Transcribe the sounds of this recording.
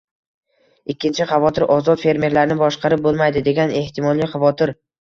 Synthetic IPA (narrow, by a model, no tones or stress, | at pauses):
ɪkʲʰːɪnt͡ʃʰɪχɑvɒt̪ʰɪɾɒzɒt̪fe̞ɾme̞ɾlaɾnɪbɒʃqʰɑɾɪp̚bolˠmajd̪ɪd̪e̞ɡʲane̞ht̪ʰɪmɒlˠːijχɑvɒt̪ʰɪɾ